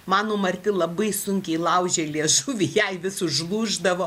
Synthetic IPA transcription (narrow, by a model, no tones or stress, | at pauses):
mɑːnoːmɐɾʲt̪ʲɪlˠɐbɐɪsʊŋʲkʲɛɪlˠɐʊʒʲɛlʲiɛʃʊʋʲɪjɛɪʋʲɪsʊʒlˠuːʒd̪ɐʋoː